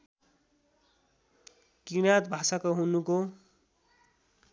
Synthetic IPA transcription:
kinat̪̚bʱasakoɦunuko

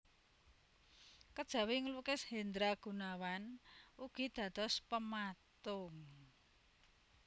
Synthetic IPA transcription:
kəd̥ʒ̥ä̤wɪŋlukɪshend̪ɾaɡ̥ṳnawanuɡ̥i̤d̪̥ä̤d̪̥ɔ̤spəmat̪ʊŋ

